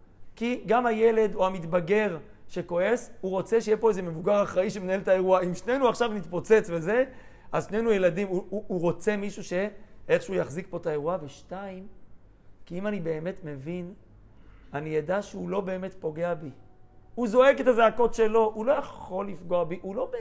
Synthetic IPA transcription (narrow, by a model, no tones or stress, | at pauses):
kiɡamhaje̞le̞do̞hamit̪baɡe̞ʁ | ʃe̞ko̞e̞suʁo̞t͡seʃejepo̞ezemevuɡaʁaχʁaiʃemenaeltae̞ʁuaimʃne̞jnuaχʃavnit̪po̞t͡se̞t͡sve̞ze̞ | azʃne̞jnujeladimuːʁo̞t͡se̞miʃuʃe̞eχʃeujaχzikpo̞tae̞ʁuaveʃtaim | kiimanibe̞ːme̞tme̞vin | anijadaʃeulo̞be̞ːme̞tpo̞ɡe̞abiuzo̞e̞ɡe̞tazaako̞tʃe̞lo̞ʔulo̞jaχo̞lːifɡo̞abiʔulo̞be